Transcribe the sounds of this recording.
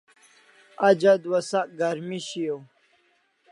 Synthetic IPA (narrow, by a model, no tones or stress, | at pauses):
ɐd͡ʑɐd̪wɐsaʔ̚ɡɐɾmiɕijo